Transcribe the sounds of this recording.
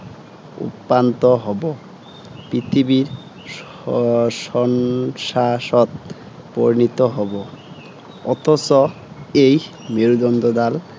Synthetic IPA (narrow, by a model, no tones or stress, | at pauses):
ṵpːant̪oɦɔbo | pɾit̪ʰibiɾ | ʃɔnʃaʃɔt̪̚ | po̰ɾinit̪oɦɔbo | ɔt̪ʰɔt͡ɕo | ej | meɾud̪ɔnd̪od̪al